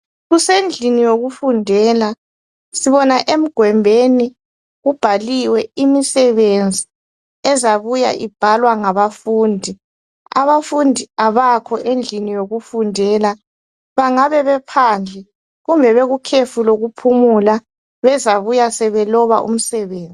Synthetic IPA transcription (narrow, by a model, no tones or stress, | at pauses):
ɣusend͡ɮʱinijoɣufundʱɛːla | siβɔnaʔem̩ɡ̥ʱwɛmbʱeni | ɣub̥ʱaliwɛimisɛβend͡zʱi | ɛzaβuja̰ʔib̥ʱalwaŋaβafuːndʱi | a̰βafundʱiaβakʰɔʔend͡ɮʱinijoɣufundʱɛːla | βaŋaβɛβɛpʰand͡ɮʱɛ | ɣumbʱɛβeɣukʰefuloɣupʰumula | βɛzaβujasɛβɛlɔβa̰ʔṵm̩sɛβeːnd͡zʱi